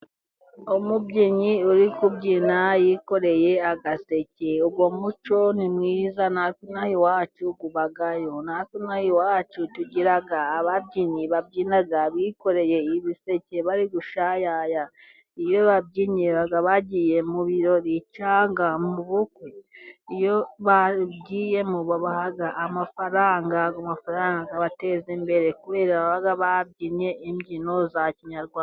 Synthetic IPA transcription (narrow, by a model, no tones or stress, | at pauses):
omubɟiɲiuɾikubɟiːnajiko̞ɾe̞je̞aɡase̞ceuɡwo̞mut͡ʃo̞nimŋiːzanasinahiwaːt͡ʃuɡuβaɡajo̞nasinahiwaːt͡ʃutuɟiɾaɡaːβabɟiːɲiβab̚ɟiːnaɡaβiko̞ɾe̞je̞iβise̞ceβaɾiɡuʃajaja | ijo̞βab̚ɟiɲeβaɡaβaɟiːje̞muβiɾo̞ɾit͡ʃaːŋɡamuβukweijo̞βabɟiːje̞muβoβahaɡaʔamafaɾaːŋɡaɡomafaɾaːŋɡaɡaβate̞zimbe̞ɾe̞kuβe̞ːɾaβaβaɡaβab̚ɟiɲe̞imɟino̞zaciɲaɾɡwaːn